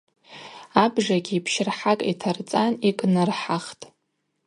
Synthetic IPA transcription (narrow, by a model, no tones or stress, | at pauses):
abʐaɡʲiːpʰʃɪrħakʼḭtʰart͡sʼanikʼnɨrħaχtʼ